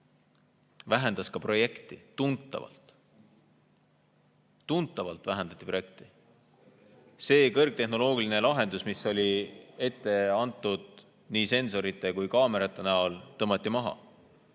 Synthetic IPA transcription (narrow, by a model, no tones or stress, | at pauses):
væɦend̪̥ɑskɑpro̞je̞kt̪ˑit̪unt̪ˑːɑ̰vɑ̰lt̪ˑ | unt̪ːˑɑvɑlt̪ˑvæɦend̪̥ɑ̥t̪ʲːˑipɾro̞je̞k̚t̪i̥ | se̞ːkɤrɡ̥̚t̪e̞ɦno̞lo̞ːɡ̥iline̞lɑɦe̞nd̪usmiso̞lʲie̞t̪ːˑe̞ɑnt̪ːˑud̪̥̚ | niːse̞nso̞ɾit̪ˑːe̞kujkɑːme̞ɾɑt̪ːˑe̞næolt̪ɤmːɑt̪ːˑimɑɦɑ̰